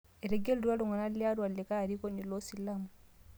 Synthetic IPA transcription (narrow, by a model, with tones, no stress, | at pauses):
ɛ˨ɾɛ˨ɡɛ˦lɾwa˦lu˨ŋa˨na˦li˦a˦ɾwa˨lːɛ˨ka˦˨ɾi˦ko˦ni˨lɔ˦si˨la˦mu˨